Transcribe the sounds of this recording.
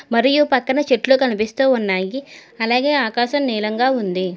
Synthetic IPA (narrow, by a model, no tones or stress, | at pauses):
mɐɾijupɐkːɐnɐt͡ʃeʈloːkɐnipist̪uːunːaːjiɐlaːɡe̞ːaːkaːʃɐmniːlɐŋɡaːund̪i